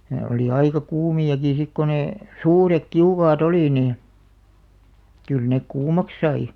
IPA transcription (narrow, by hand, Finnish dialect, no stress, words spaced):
ne oli ɑikɑ kuːmiɑki sik ko neˑ suːrek kiukɑːt oli niː kyl nek kuːmɑk sɑi